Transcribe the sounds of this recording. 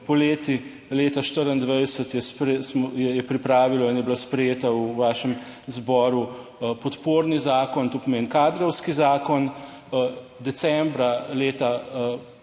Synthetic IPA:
pɔleːt̪i | leːt̪aʃt̪əɾənd̪ʋəjsət̪jɛspɾɛsmjɛjɛpɾipɾaːʋilɔinjɛblaspɾɛjeːt̪awʋaːʃɛm | zbɔːɾu | pɔt̪poːɾnizaːkɔnt̪oːpɔmeːnkaːd̪ɾɔwskizaːkɔn | d̪ɛsɛmbɾaleːt̪a

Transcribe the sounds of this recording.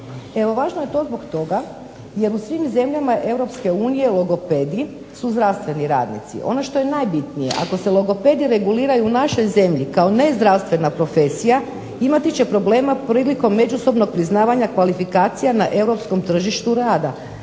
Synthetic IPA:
e̞ʋo̞ʋaːʒnoje̞t̪o̞ːzbo̞kt̪o̞ɡa | je̞ɾusʋimze̞mʎamaʔe̞vɾo̞pske̞uːnije̞lˠoɡo̞pe̞d̪i | suzd̪ɾaʋst̪ʋe̞niɾa̰ːd̪nḭt̪sḭʔo̞̰no̞ʃt̪o̞je̞najbit̪nije̞̰ʔa̰ko̞selˠoɡo̞pe̞d̪iɾe̞ɡuliːɾajuːnaʃo̞jze̞mʎikao̞ne̞zd̪ɾawst̪ʋe̞napɾo̞fe̞sija | imat̪it͡ɕe̞pɾo̞ble̞ːmapɾiːliko̞mːe̞d͡ʒuso̞bno̞k̚pɾiznaːʋaɲakʋalifikaːt̪sijanaʔe̞wɾo̞psko̞mt̪r̩ʒiʃt̪uɾaːd̪a

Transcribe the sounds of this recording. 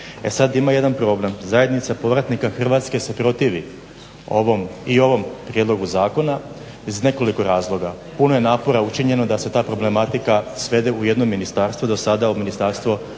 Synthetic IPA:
ḛsad̪imaje̞d̪anpɾo̞ble̞mzaje̞d̪nit̪sapo̞ʋɾat̪nikaxr̩ʋat̪ske̞se̞pɾo̞t̪iːʋi | o̰ʋomio̞ʋo̞mpɾjed̪lˠo̞ɡuzaːko̞na | izne̞ko̞liko̞ɾaːzlˠo̞ɡa | puno̞je̞naːpo̞ɾaut͡ʃiɲe̞nod̪ase̞t̪aːpɾo̞ble̞mat̪ikasʋe̞d̪euje̞d̪no̞mːinist̪aːɾst̪ʋod̪osad̪auminist̪aːɾst̪ʋo

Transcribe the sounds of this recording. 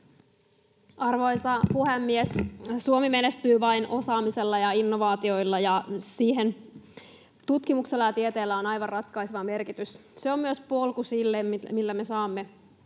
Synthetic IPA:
ɑrʋo̞jsɑpuhemːiessuomime̞nest̪yːʋɑinʔo̞sɑːmise̞lːɑjɑinːo̞ʋɑːt̪io̞jlːɑjɑsiːɦe̞n | t̪ut̪kimukselːɑjɑt̪iet̪eːlːæonɑjʋɑrrɑt̪kɑjseʋɑme̞rkit̪ysseo̞mːyøspolkusilːemmilːæme̞sɑːmːe̞

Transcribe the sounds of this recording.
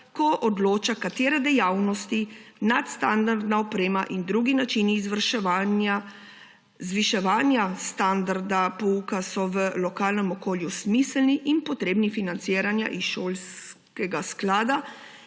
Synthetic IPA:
kɔʔɔd̪loːt͡ʃakat̪eːɾɛd̪ɛjawnɔst̪inat̪st̪and̪aɾd̪naɔpɾeːmaʔind̪ɾuːɡinat͡ʃiniːzʋəɾʃɛʋana | zʋiʃɛʋaːnjast̪and̪aɾd̪apɔukasɔʋəlɔkaːlnɛmɔkoːljusmislniʔinpɔt̪ɾeːbnifinant̪siːɾanja̰ʔisʃoːls | kɛɡasklaːd̪a

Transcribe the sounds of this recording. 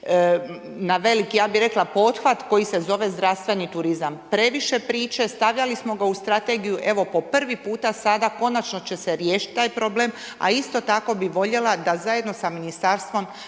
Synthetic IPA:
naʋe̞likijaːbiɾe̞klapo̞t̪xʋat̪ko̞jise̞zo̞ʋe̞zd̪ɾaʋst̪ʋe̞nit̪uɾizampɾe̞ʋiʃe̞pɾiːt͡ʃe̞st̪aʋʎalismo̞ɡaust̪ɾat̪e̞ɡijuʔe̞ʋo̞po̞pr̩ʋipuːt̪asad̪ako̞nat͡ʃno̞t͡ɕe̞se̞ɾjeːʃit̪̚ʲt̪ːaːjpɾo̞ble̞ːm | a̰ist̪o̞t̪ako̞biʋo̞ʎe̞lˠad̪azajed̪no̞saminist̪aɾst̪ʋo̞m

